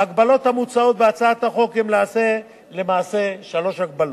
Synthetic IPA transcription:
aɡbalo̞t̪hamut͡sao̞t̪veat͡saat̪haχo̞kemlaase̞ | le̞maːse̞ʃalo̞ʃhaɡ̚balo

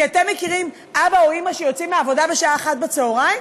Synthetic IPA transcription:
ate̞mːe̞kiʁim | ʔabaoimaʃejo̞t͡simeavo̞dabeʃaaeχat̪̚bet͡seoʁajm

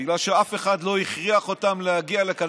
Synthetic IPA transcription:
iɡlalʃeafe̞χadlo̞iχʁiaχo̞tamleaɡialeka

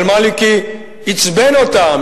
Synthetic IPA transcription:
lmaliki | it͡sbenot̪am

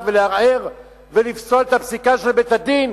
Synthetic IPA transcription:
veleaʁeʁ | velifsolet̪apsikaʃelbet̪ad̪in

